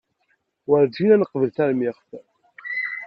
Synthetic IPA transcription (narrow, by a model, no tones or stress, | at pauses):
wəɾd͡ʒinænəqvəlθæɾmiʁf